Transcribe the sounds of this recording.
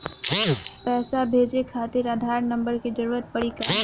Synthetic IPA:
pɛːsabʱeːd͡ʒekʰaːt̪ɪɾad̪ʱaːɾnə̃mbəɾked͡ʒəɾuːɾət̪̚pəɽika

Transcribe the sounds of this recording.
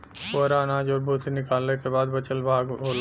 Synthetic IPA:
koɾanaːd͡ʒɔːɾbʱuːt̪ʰinɪkaːlnekebaːd̪bɐt͡ʃəlbʱaːɡɦoːl

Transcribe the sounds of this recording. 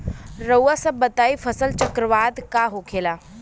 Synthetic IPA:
ɾəwasəbət̪aːifəsəlt͡ɕəkɾəʋaːd̪kaɦokʰeːla

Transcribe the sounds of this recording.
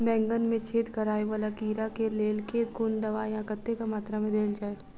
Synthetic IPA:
bɛ̃ːŋɡənmẽt͡ʃʰeːt̪kɐɾaːeʋaːlakiːɾakeleːlket̪ɡʊnd̪ɐʋaːjãkət̪ːekamaːt̪ɾamẽd̪eːld͡ʒaːe

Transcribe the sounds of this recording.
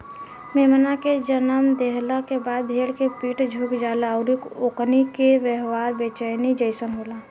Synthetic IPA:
meːmənaked͡ʒənəmd̪eɦləkebaːd̪̚bʱeːɽkepiːʈd͡ʒʱukd͡ʒalaəʊɾikoknikeʋəɦʋaːɾbet͡ʃəjnid͡ʒəɪsənɦoːla

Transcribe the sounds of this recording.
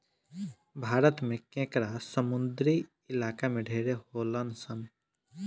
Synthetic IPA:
bʱaːɾət̪mẽkẽːkɾasəmʊnd̪ɾi | ɪlaːkamẽɖʱeːɾeɦoːlənsən

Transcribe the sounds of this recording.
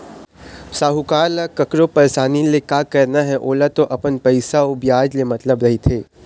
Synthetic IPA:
saːɦukaːlakɐkɾopɐɾesaːnilekaːkɐɾnaɦɛʔoːlat̪oʔɐpənpɐɪsaobjaːd͡ʒlemɐt̪ləbɾɐɦit̪ʰeː

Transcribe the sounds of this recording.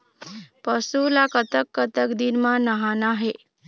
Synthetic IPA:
pəsulakət̪əkːət̪əkd̪inmãnəɦanaɦe

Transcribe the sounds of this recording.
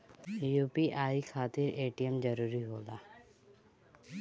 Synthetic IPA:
juːpiʔaːikʰaːt̪ɪɾeːʈijəmd͡ʒəɾuːɾiɦoːlaː

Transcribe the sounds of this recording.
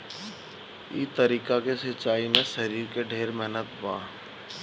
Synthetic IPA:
ḭːt̪ɐɾiːkakesɪt͡ʃːaːimẽʃɐɾiːɾkeɖʱeːɾmɛɦnət̪bãː

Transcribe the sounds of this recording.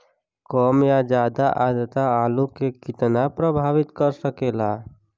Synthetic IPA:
kɔːmjad͡ʒaːd̪aʔaːd̪ət̪aːlukekɪt̪napɾəbʱaːʋɪt̪kəɾsəkeːla

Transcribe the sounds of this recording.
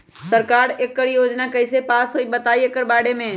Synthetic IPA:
səɾkaːɾekːəɾjoːd͡ʒnakəɪsepaːsoibət̪aːiekəɾbaːɽemẽ

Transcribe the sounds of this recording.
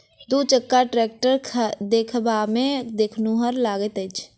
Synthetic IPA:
d̪ut͡ʃəkːaʈɾeːk̚ʈəɾʰd̪eːkʰbamẽd̪eːkʰnuɦəɾlaːɡət̪əɪt͡ʃʰ

